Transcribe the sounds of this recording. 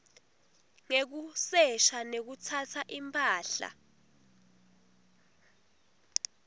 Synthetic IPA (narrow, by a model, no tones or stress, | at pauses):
ŋek̬usɛʃanek̬ut͡sʰatʰaʔimpʼaːɬa̰